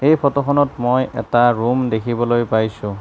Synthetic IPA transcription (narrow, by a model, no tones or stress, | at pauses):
ejpʰɔtɔxɔnɔtmojɛ̰taɹumdekʰibɔlojpajsʊ̃